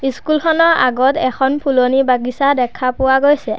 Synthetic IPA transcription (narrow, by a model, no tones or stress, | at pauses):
iskulxɔnɔɹʔaɡɔtɛkʰɔnpʰulonibaɡisadɛkʰapʊwaɡojsɛ